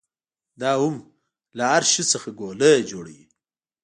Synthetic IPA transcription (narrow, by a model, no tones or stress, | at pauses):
d̪ɑhʊm | laaɾʃisəxaɡoləd͡ʒoɽawi